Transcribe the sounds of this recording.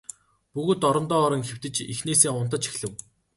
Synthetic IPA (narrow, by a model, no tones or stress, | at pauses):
puɣoːt̪ɔɾɞ̆nt̪ɔːɾɞ̆ŋxew̥t̪ɘ̆t͡ɕixneːseːŋʊn̥t̪ə̆t͡ɕi̥xɮɘ̆w